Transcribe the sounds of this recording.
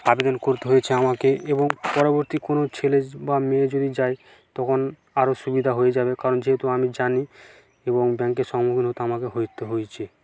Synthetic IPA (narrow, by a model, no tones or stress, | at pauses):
abed̪onkoɾt̪eɦojet͡ɕʰeamakeʔeboŋpɔɾoboɾt̪ikonot͡ɕʰelebamẽd͡ʑod̪id͡ʑae | t̪ɔkʰon | aɾoʃubid̪ʱaɦoed͡ʑabekaɾond͡ʑeɦet̪uamid͡ʑani | eboŋbɛŋkeʃɔŋmukʰinɦot̪eamakeɦojt̪eɦojt͡ɕʰe